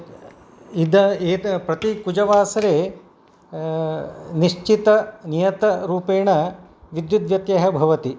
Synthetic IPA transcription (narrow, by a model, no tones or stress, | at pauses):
id̪ɐeːpɾɐt̪ikud͡ʒɐʋaːsɐɾeː | niʂt͡ʃit̪ɐnijɐt̪ɐɾuːpeːɳɐʋid̪jud̪ʋjɐt̪jɐɦɐbʱɐʋɐt̪i